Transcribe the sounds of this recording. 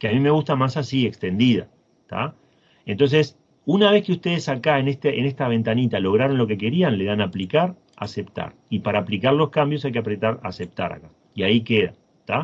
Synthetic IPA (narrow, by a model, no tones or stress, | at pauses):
keamime̞ɣust̪amasasiekst̪e̞nd̪iða̰ | t̪a̰ | e̞nt̪o̞ns̬e̞s | unaβ̞e̞skeust̪e̞ð̞e̞sakaenest̪eʔenest̪aβ̞e̞nt̪anit̪alo̞ɣ̞ɾaɾo̞nlo̞ke̞k̬e̞ɾianle̞ðanaplikaɾ | a̰se̞pt̪a̰ɾipaɾaːplikaɾlo̞skambjo̞s̬ajkeapɾe̞t̪aɾa̰se̞p̚t̪a̰ɾa̰ka | iaike̞ða̰ | t̪a